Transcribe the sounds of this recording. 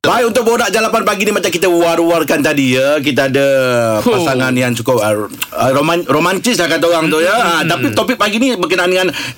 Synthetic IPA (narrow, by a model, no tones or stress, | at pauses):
bajunt̪ʊk̚bəodaʔd͡ʒalapanpaɡinimat͡ʃamkit̪əuaruarkant̪̬adijək̬it̪əadəpasaŋanjaŋt͡ʃukʊp̚əəromaromant̪ɪslahkat̪̬oɣaŋt̪ujəat̪apit̪opɪk̚paɡinibəkənaanŋan